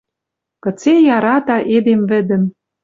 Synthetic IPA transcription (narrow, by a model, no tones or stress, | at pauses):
kɤ̆t͡sejɑɾɑt̪ɑʔed̪emvɘ̆d̪ə̆m